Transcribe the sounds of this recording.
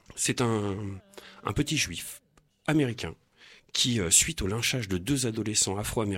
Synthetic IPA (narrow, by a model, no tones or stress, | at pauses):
sɛt̪ɛ̃ | ɛ̰̃pət̪iʒɥif | ameʁikʲɛ̰̃ | kʲʰiøsɥit̪olɛ̃ʃaʒd̪əd̪øzad̪ɔlesɑ̃afχoame